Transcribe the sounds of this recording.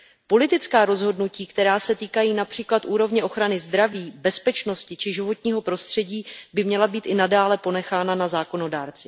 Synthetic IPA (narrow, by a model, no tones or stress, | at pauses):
po̞lɪt̪ɪt͡skaːɾo̞zɦo̞dnuciːkt̪ɛɾaːsɛt̪iːkajiːnapr̥iːklat̪ʔuːɾo̞vɲɛʔo̞xɾanɪzd̪ɾaviːbɛspɛt͡ʃno̞scɪt͡ʃɪʒɪvo̞t̪ɲiːɦo̞pɾo̞st̪r̝̥ɛɟiːbɪmɲɛlabiːt̪ʔɪnadaːlɛpo̞nɛxaːnanazaːko̞no̞daːɾt͡sɪ